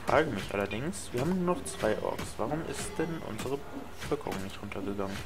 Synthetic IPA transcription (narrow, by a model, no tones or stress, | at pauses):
fʁ̥a̰ːɡəmɪçʔa̰lɐdɪŋsv̥iɐhaːbm̩nuːɐnɔχt͡sv̥aɪʔɔ̰ːksvaʁʊmʔɪ̰std̥ɛnʔʊ̰nzəʁəbəfʏɐkəʁʊ̰ŋnɪçtʁʊntʰɐɡəɡaŋən